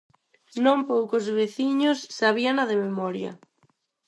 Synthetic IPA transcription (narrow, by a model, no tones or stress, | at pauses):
nõmpowkʊzβeθiɲʊsːaβianɐðɪmemɔɾjɐ̰